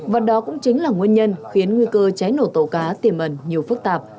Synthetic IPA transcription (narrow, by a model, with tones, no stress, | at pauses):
və˨˩t̚ɗɔ˨˦kʊ̰˧˥ŋ͡mt͡ɕï˨˦ŋ̟laː˨˩ŋwi˧ənɲə˧nxi˨˦ənŋwi˧kəː˧t͡ɕa˨˦jno˧˩t̪o˧˩kaː˨˦t̪i˨˩əmʔə˨˩nɲi˨˩əwfɨ˦˥k̚t̪aː˨˩p̚